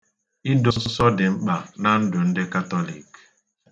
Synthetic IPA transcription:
i˦dʊ˦ʊ˦sɔ˦dɪ˨ŋ͡m̩˦k͡pa˨na˦n̩˦dʊ˨n̩˦dɪ˦ka˦tɔ˦lḭ˨k

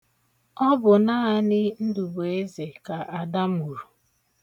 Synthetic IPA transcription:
ɔ˦bʊ˨na˦a˦nɪ˦n̩˦du˨be˨e˦ze˨ka˨ʔa˨da˦mu˨ɾu˨

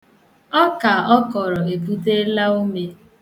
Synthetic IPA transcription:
ɔ˦ka˨ɔ˦kɔ˨ɾɔ˨e˨pu˦te˦la˦o˦me˦

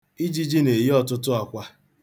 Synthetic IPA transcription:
i˦d͡ʒi˦d͡ʒi˦ne˨ji˦ɔ˨tʊ˦tʊ˦a˨kʷa˦

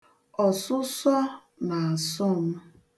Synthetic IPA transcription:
ɔ˨sʊ˦sɔ˦ | na˨a˨sʊ˦m̩˦

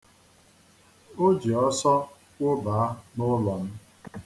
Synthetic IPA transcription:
o˦d͡ʒi˨ɔ˦sɔ˦ | kʷʊ˦ba˨a˦nʊ˦lɔ˨m̩˦

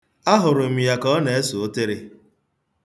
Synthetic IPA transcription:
a˦ɦʊ˨ɾʊ˨m̩˨ja˨kɔ˦ne˨e˦so˨o˦te˦ɾe˦

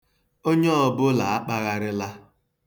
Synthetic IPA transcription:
o˦ɲe˦ɔ˨bʊ˦la˨a˦k͡pa˦ɣa˦ɾɪ˦la˦

